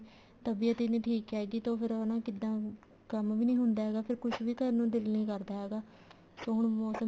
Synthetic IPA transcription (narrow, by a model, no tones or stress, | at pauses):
t̪əbiːət̪eːnẽːʈʰiːkɦɛːɡiːt̪õːpʰɪɾənãːkɪd̪ːãː | kəmʋiːnĩːɦʊnd̪aːɦɛːɡaːpʰɪɾkʊʃʰʋiːkəɾnũːd̪ɪlnĩːkəɾd̪aːɦɛːɡaː | soːɦʊɳmɔːsə